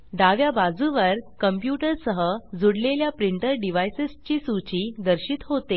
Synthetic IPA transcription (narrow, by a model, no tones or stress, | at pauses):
d̪aʋjabad͡zuʋəɾkəmpjuʈəɾsəɦəd͡zuɽleljapɾiɳʈəɾɖiʋajsest͡ɕiːsut͡ɕid̪əɾɕiːt̪ɦot̪e